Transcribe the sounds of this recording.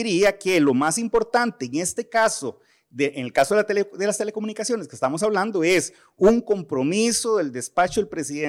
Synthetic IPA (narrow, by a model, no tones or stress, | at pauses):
ɾiakelo̞masimpo̞ɾt̪ant̪eːŋest̪e̞kaso | ðeʔeŋelkaso̞ðelt̪eleðelast̪e̞lekomũnikasjo̞neskest̪amo̞saβland̪oe̞s | uŋko̞mpɾo̞misoðe̞ld̪e̞spat͡ʃoelpɾesie